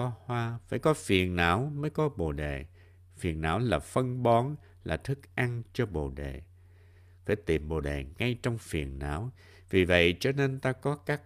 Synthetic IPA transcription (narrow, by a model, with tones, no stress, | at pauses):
ɔ˧hwaː˧fa̰ː˧˩jkɔ˨˦fi˨˩ənna̰ː˧˥wməː˨˦jkɔ˨˦ɓo̰˨˩ɗḛ˨˩ | fi˨˩ənːa̰ː˧˥wlaː˨˩fə˧nɓɔ˨˦n | la̰ː˨˩t̪ʰɨ˦˥k̚ʔa˧ŋt͡ɕɔ˧ɓo̰˧˨˩ɗḛ˨˩˨ | faː˧˩jt̪i˨˩mɓo̰˨˩ɗe˨˩ŋa˧jt͡ɕɔ˧wŋ͡mfi˨˩ənna̰ː˧˥w | vi˨˩və̰˧˨jt͡ɕɔ˧ne˧nt̪aː˧kɔ˨˦kaː˦˥k̚